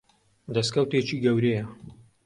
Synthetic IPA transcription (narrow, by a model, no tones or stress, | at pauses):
d̪ɐskɐwt̪eːt͡ʃiːɡɐwɾejɛ